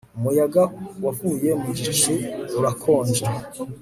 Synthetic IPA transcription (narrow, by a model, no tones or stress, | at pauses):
umujaɡawavuːje̞mud͡ʒit͡ʃiuɾakʰo̞ːɲd͡ʒe